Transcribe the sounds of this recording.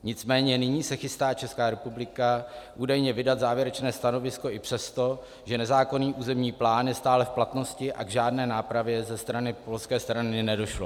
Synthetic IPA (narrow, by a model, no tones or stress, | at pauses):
ɲɪt͡smɛːɲɛnɪɲiːsɛxɪst̪aːt͡ʃɛskaːɾɛpublɪkaʔuːdajɲɛvɪdat̪zaːvjɛɾɛt͡ʃnɛːst̪ano̞vɪsko̞ɪpr̝̥ɛst̪o̞ | ʒɛnɛzaːko̞niːʔuːzɛmɲiːplaːnjɛst̪aːlɛfplat̪no̞scɪʔa̰ɡʒaːdnɛːnaːpɾavjɛzɛst̪ɾanɪpo̞lskɛːst̪ɾanɪnɛdo̞ʃlo